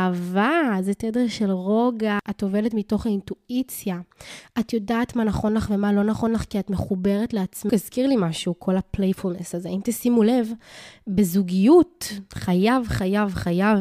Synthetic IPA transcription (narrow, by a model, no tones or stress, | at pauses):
avazetedeʁʃe̞lʁo̞ɡaʔato̞ve̞letmito̞χaintuit͡sjaʔatjo̞daːtmanaχo̞nlaχve̞malo̞naχo̞nlaχkiatmeχube̞ʁetleat͡smizkiʁlimaʃukʰo̞laplejfulnesazeaimtesimule̞vbezuɡijutχajavχajavχajav